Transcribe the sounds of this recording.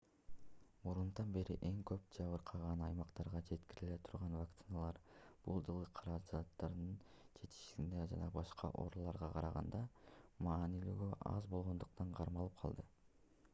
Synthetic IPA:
muɾunt̪ɑnbe̞ɾḭʔe̞ŋkøp̚d͡ʒɑβɯɾqʰɑʁɑnɑjmɑqt̪ɑɾʁɑd͡ʒe̞t̪kiɾile̞t̪ʰuɾʁɑnvakt̪sɨnalˠɑɾb̥ulˠd͡ʒɯlˠɯqʰɑɾɑd͡ʒat̪ːɑɾd̪ɯn | d͡ʒe̞t̪i̥ʃiɡind̪ed͡ʒɑnɑbɑʃqɑ̰ʔo̞̰ɾulˠɑɾʁɑqʰɑɾɑʁɑ̰nd̪ɑmɑːnilyːɡøʔɑ̰zbo̞lˠʁo̞nd̪uq̚t̪ɑɴqʰɑɾmɑlˠɯp̚qʰɑlˠd̪ɯ

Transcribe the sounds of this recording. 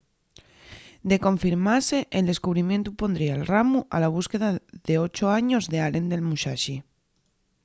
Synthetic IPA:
d̪e̞ko̞ɱfiɾmaseʔeld̪e̞skuβ̞ɾimjent̪upo̞nd̪ɾiaelramuʔalaβ̞uskeðaðeot͡ʃoaɲozðealend̪e̞lmuʃaʃi

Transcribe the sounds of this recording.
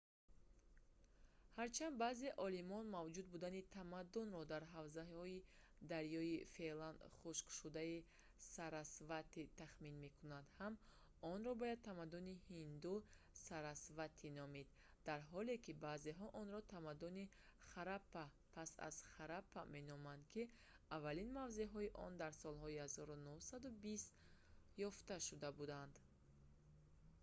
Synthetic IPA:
haɾt͡ʃʰand̪baːze̞ʔɔlimɔnmavd͡ʒud̪̚bud̪anit̪ʰamad̪unrɔd̪aɾɦavzaɔi | d̪aɾjɔife̞land̪χuʃkʃud̪ai | saɾasvat̪it̪aχminme̞kʰunand̪ham | ɔnɾɔbɔjad̪̚t̪ʰamad̪unihind̪u | saɾasvat̪ʰinɔmid̪ | d̪̥aɾɦɔlekʰibaːzeɦɔʔɔnɾɔt̪ʰamad̪uni | χaɾapːa | pʰasa̰z̥χaɾapːame̞nɔmand̪kʰi | avːalinmavzeɦɔiʔɔ̰nd̪aɾsɔlɦɔihazɔɾunuhsad̪ubist̪jɔft̪aʃud̪abud̪and̪

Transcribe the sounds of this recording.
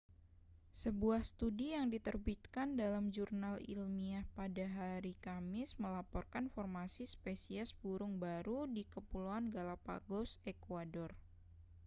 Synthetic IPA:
səbuahst̪udijaŋdit̪ərbit̪̚kandalamd͡ʒurnalḭlmiahpadaɦaɾikamɪsməlapɔrkanfɔrmasispesiasbuɾʊŋbaɾudikəpuluanɡalapa̰ɡɔsekuadɔr

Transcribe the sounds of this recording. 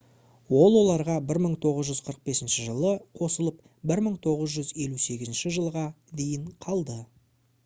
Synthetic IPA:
wo̞lˠwo̞lˠɑɾʁɑbɪɾməɴt̪ʰo̞ʁəzʒʏzqʰəɾəq̚be̞sɪnʃɪʒəlˠəqʰo̞səlˠəp̚ | bɪɾməɴt̪ʰo̞ʁəzʒʏze̞luse̞ɡʲɪzɪnʃɪʒəlˠʁɑ | d̪e̞jɪɴqʰɑlˠd̪ə

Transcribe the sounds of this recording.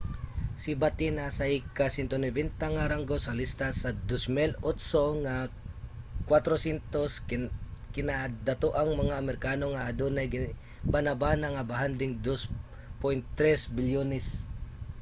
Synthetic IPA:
sɪbat̪inasɐkasɛnt̪onɛbɛnt̪aŋaɾaŋɡosɐlist̪asɐd̪osmilot̪soŋa | kwat̪ɾosɛnt̪os | kɪnad̪ɐt̪oʔaŋmɐŋaɐmɛɾɪkanoŋaʔːd̪onɐjɡ | banabanaŋɐbaɦand̪ɪŋd̪os | pojnt̪ːɾɛsbɪljonɛs

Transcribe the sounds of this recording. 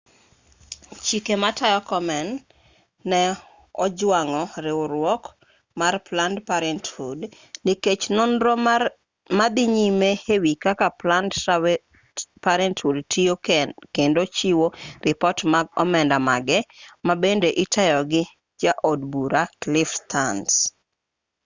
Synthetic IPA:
t͡ʃikematajɔkɔmɛnː | ɛ | ɔd͡ʒwaŋɔɾɪʊɾwɔk | marplandpaɾɛnthud | niket͡ʃnɔnɾo | mad̪ɪɲimehewikakapland | paɾɛnthudtijokendot͡ʃiworɪpɔtmaɡ̚ɔ̰mɛndamaɡɛmabendeʔɪtajɔɡɪ | d͡ʒaʔodbuɾaklɪfstʰans

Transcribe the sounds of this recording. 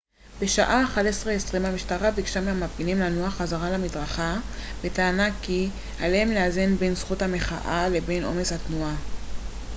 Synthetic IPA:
be̞ʃaʔaːχadesʁeesʁimamiʃtaʁabikʃamamafinimlanoaχazaʁalamidʁaχabetaːnaki | alehemleazenbensχuthame̞χa̰ʔale̞be̞nʔo̞̰me̞shatnua

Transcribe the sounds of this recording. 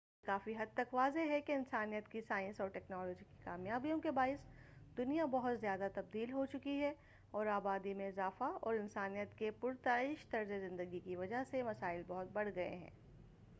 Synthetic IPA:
kaːfiɦɐd̪̚t̪ɐkʋaːzeɦɛkeɪnsaːnijət̪kisaːɪ̃nsɔːɾʈɛːknɔːlɔːd͡ʒiki̥kaːmjaːbijõkebaːɪsd̪ʊnijabɐɦʊt̪zjaːd̪at̪ɐb̚d̪iːlɦot͡ʃʊkiɦɛ | ɔːɾaːbaːd̪imẽɪzaːfaɔ̰ːɾɪnsaːnijət̪kepʊɾt̪aːɪʃt̪ɐɾzezɪ̃nd̪əɡikiʋɐd͡ʒaɦsemɐsaːɪlbɔɦʊt̪̚bɐɽ̤ɡɐḛɦɛ̰̃ː

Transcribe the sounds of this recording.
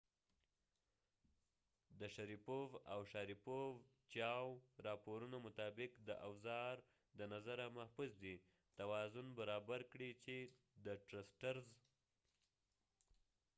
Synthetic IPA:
d̪əʃaɾipovawʃɑɾipov | t͡ʃɑwɾɑpoɾunomʊt̪ɑbɪkd̪əʔawzɑɾ | d̪ənazaɾamahfusd̪i | t̪awɑzʊnbaɾɑbaɾkɽit͡ʃe | d̪əʈɾasʈaɾz

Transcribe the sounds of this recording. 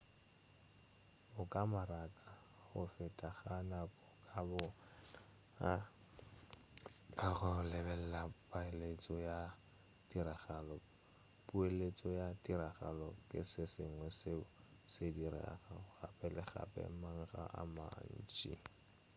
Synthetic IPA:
ʊkʼamaɾakʼa | χʊfɛtʼaχanakʼɔkʼabʊ | a | kʼaχʊlɛbɛl̩lapʼaɪlet͡sʼɔja | diɾaɣalɔ | pʼuelet͡sʼɔjadʼiɾaχa̰lɔkʼɪ̰sɪsɪŋwɛsɪsediɾa̰ɣaʊχa̰pʼɛlɪχa̰pʼɛ̰maŋ̩χa̰ʔa̰ma̰n̩ːt͡ʃʼḭ

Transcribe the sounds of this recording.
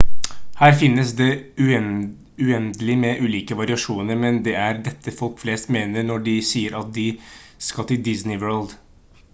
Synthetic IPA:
hæːɾfɪnːəsd̪ɛʉ | ʉɛnd̪əlɪmɛʔʉːliːkəʋɑɾɪɑʂuːnəɾmɛnd̪ɛæɾd̪ɛt̪ʰːəfɔlkfleːst̪meːnəɾnɔɖɪsiːəɾʔɑt̪̚d̪ɪskɑt̪ːɪd̪ɪsnɪʋɜːɭld̪

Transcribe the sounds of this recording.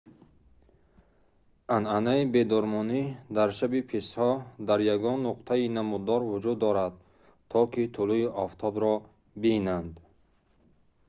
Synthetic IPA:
ʔananaibe̞d̪ɔɾmɔnid̪aɾʃabipʰishɔd̪aɾjaɡɔnːuqt̪ʰainamud̪ɔɾvud͡ʒud̪ːɔɾad̪ | t̪ʰːɔkit̪ʰuluiʔɔft̪ʰɔbɾɔ | binand̪

